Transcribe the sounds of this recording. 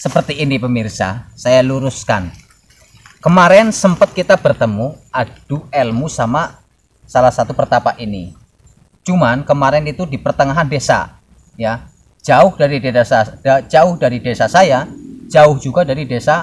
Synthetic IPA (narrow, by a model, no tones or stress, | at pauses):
səpərt̪iːnipəmirsa̰sajaluɾʊska̰n | kəmaɾɛnsəmpət̪̚kit̪ab̥ərt̪əmuad̥uɛlmusama | salahsat̪upərt̪apaʔinḭ | t͡ʃumankəmaɾɛnit̪udipərt̪əŋaɦandesa̰ | ja | d͡ʒaʊhdaɾideasḁad͡ʒaʊhdaɾidesasajad͡ʒaʊhd͡ʒuɡadaɾidesa